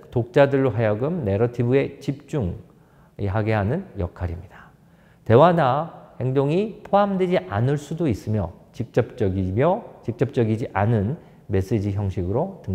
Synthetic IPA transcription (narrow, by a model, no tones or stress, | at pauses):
tok̚t͡ɕ͈adɯɭːoɦajʌɡɯmne̞ɾʌtʰibue̞t͡ɕip̚t͡ɕ͈uŋ | iɦaɡe̞ɦanɯnjʌ̰kʰaɾimɲid̥a | te̞wanahe̞ŋdoŋipʰoamdwe̞d͡ʑiʔanɯɭs͈udois͈ɯmjʌt͡ɕik̚t͡ɕ͈ʌp̚t͡ɕ͈ʌɡimjʌt͡ɕik̚t͡ɕ͈ʌp̚t͡ɕ͈ʌɡid͡ʑiʔanɯn | me̞s͈ed͡ʑiçjʌŋɕʰiɡɯɾotɯŋ